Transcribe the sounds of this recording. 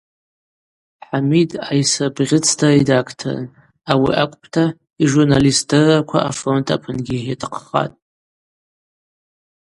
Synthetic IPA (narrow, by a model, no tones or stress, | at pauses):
ħamidajsɨbʁʲɪt͡sʰtʰaidakʰtʰo̰r̰n | awḭʔakʷʼpʰtʰa | iʒurnalistdɨrakʷʰa̰ʔa̰fro̞ntʰapʰɨnɡʲiatʰqʰχa̰tʼ